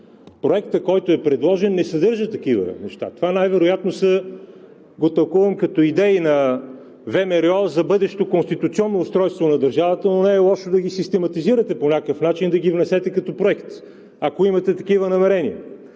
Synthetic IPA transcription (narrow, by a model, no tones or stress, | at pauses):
pɾoɛkt̪əkɔjt̪oɛpɾɛd̪lˠɔʒɛnːɛsɐd̪ɤɾʒət̪ɐkivə̰nɛʃt̪a̰t̪ovanajvɛɾojat̪nosə | ɡot̪ɐlˠkuvɐmkɐt̪ɔid̪ɛinɐ | vɛmɛɾɛɔzɐbɤd̪ɛʃt̪okonst̪it̪ut̪siɔnːoːst̪ɾɔjst̪vonɐd̪ɐɾʒavət̪ənonɛːlˠɔʃod̪ɐɡisist̪ɛmɐt̪iziɾət̪ɛponʲakəfnat͡ʃind̪ɐɡivnɛsɛt̪ɛkɐt̪ɔpɾoɛkt̪ | ɐkoimɐt̪ɛt̪ɐkivənɐmɛɾɛniə̰